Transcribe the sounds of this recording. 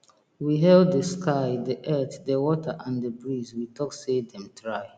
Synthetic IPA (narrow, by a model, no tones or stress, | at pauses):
wiɦɛlddəskʰaɪdəʔɛθdəwɔtʰəʔãndəbɹizwitʰɔksedɛ̃mtʰɹaɪ